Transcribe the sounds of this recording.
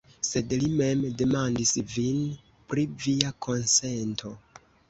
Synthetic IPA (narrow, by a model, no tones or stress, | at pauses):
se̞dlime̞mde̞mandisvin | pɾiviakʰo̞nse̞ntʰo̞